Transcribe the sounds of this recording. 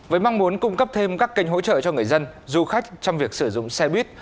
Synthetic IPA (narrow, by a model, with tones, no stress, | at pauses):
vəː˨˦jma˧ŋmu˨˦nkʊ˧ŋ͡mkə˦˥p̚t̪ʰe˧mkaː˦˥kːi˧jŋ̟ɦo̰˧˥t͡ɕə̰ː˧˨t͡ɕɔ˧ŋɨ˨˩əjzə˧nzu˧xa˦˥k̟̚t͡ɕɔ˧wŋ͡mvi˨˩ək̚sɨ˧˩zʊ̰˧˨ŋ͡msɛ˧ɓwi˦˥t̚